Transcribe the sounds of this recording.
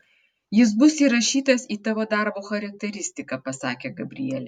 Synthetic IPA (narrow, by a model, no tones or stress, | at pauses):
jɪs̬bʊsiːɾɐʃʲiːt̪ɐsiːt̪ɑːʋoːd̪ɑˑɾboːxɐɾɐk̚t̪ʲɛɾʲɪsʲt̪ʲɪkɑpɐsɑ̰ːkʲeːɡɐbʲɾʲɪ̰jɛlʲɛ